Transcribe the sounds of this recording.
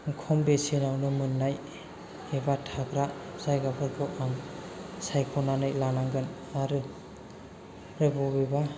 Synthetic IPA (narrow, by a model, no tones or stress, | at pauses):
ŋkʰɔmbesenawnɯmɯnːaj | ebatʰaɡɾasajɡabʰɯɾpʰɔʔamsajkʰɔnanɯjlanaŋɡɯn | aɾɯ | ɾɯbɔbeba